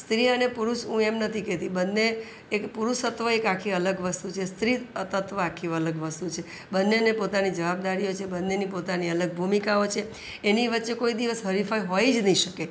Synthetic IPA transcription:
st̪ɾiənepuɾuʃɦũemnət̪ʰikɛt̪ibənːeː | kpuɾuʃət̪ʋəekakʰiələɡʋəst̪ut͡ʃʰest̪ɾiət̪ət̪ʋəakʰiələɡʋəst̪ut͡ʃʰe | bənːenepot̪anid͡ʒəʋabd̪aɾiot͡ʃʰebənːenipot̪aniələɡ̚bʱumikaot͡ʃʰeː | niʋətːʃekoid̪iʋəsɦəɾifaiɦoid͡ʒnəɦĩʃəke

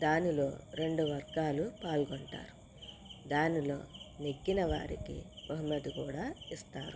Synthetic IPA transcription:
d̪aːnilo̞ːɾe̞ɳɖuʋɐɾɡaːlupaːlɡoɳʈa̰ːɾu | d̪aːnilo̞ːniɡːinɐʋa̰ːɾikḭb̥ɐɦumɐd̪ukuːɽaːist̪aːɾu

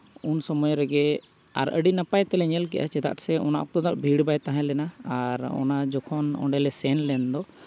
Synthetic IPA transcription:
unsɔmɔjɾɛɡɛ | a̰ɾʔə̰ɖinapajt̪ɛlɛɲɛlk̬ɛ̰ʔa̰t͡ʃɛt̪a̰ʔsɛʔɔ̰naʔɔ̰k̚t̪ɔd̪aʔbʱiɽbajt̪ãɦãlɛnaaɾɔ̰nad͡ʒɔkʰɔnɔ̰ɳɖɛlɛsɛnlɛnd̪ɔ

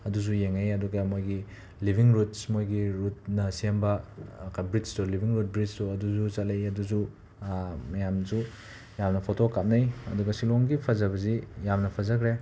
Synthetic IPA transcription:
ɐdus̬ujeŋɐjɐduɡɐmojɡi | libʱiŋɾut̚smojɡiɾut̚nɐsembɐkabɾid͡ʒtolibʱiŋɾut̚bɾit͡ʃtuɐduzut͡ʃatlejɐduzu | mɐjamsu | jamnɐpʰotokap̚nɐjɐduɡɐsiloŋɡipʰɐzɐbɐzijamnɐpʰɐzakʰɾe

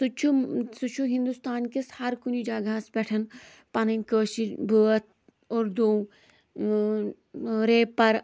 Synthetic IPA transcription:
sut͡ʃʰusut͡ʃʰuɦĩnd̪ust̪aːnkishɐɾkunid͡ʒaːɡasbɛːʈʰən | pɐnɐnʲkəːʃibʱəːət̪̚ʰ | oːɾd̪õː | ɾeːpɐɾ

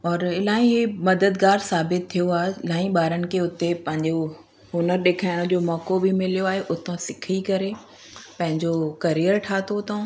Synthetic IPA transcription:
ɔːɾɪlaːĩɦmɐd̪əd̪ɡaːɾsaːbɪt̪ʰːijoaːɦelãːĩɓaːɾənɪ̆kʰeʊt̪epɐ̃ɦɪ̃ɲd͡ʑo | ɦʊnəɾɗeːkʰaːɪɽ̃ʊ̃d͡ʑoːmɔːkobʱimɪlijoaːɦeʔʊt̪ʰõsɪkʰikɐɾe | pɐ̃ɦɪ̃ɲd͡ʑokɐɾijəɾʈʰaːt̪ot̪ʰõ

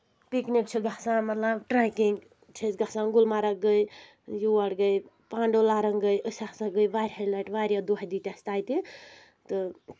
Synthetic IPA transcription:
piknik̚t͡ʃʰuɡasãmɐt̪labʈɾajkiŋɡ | t͡ʃʰet͡ʃɡasãɡulmaɾɐɡəj | juɐɽɡəj | paːɳɖolaɾəŋɡəjʔəsasaɡəjʋaɾʲɦalajʈʋaɾʲjad̪uɦajd̪it̪jast̪aːjt̪i | t̪ɨ

